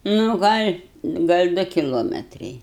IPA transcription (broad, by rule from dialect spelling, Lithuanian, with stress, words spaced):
ˈnʊ ˈɡɐlʲ ˈɡɐlʲ ˈdʊ kʲɪˈlˠoːmʲɛtrɐɪ